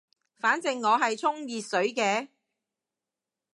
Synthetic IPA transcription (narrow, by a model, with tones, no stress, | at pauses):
faː˨˥nt͡sɪ˨ŋːɔː˨˧ɦɐ˨jt͡sʰʊ˥ŋjiː˨t̚sɵ˨˥ɥkɛː˧